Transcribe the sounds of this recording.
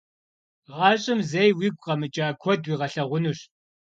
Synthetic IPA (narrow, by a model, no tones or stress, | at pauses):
ʁɑːɕʼɪmzejwiːɡʷʼqɐmɨt͡ʃʼaːkʷʰɔdwiːʁɐɬɐʁʷʊnuɕ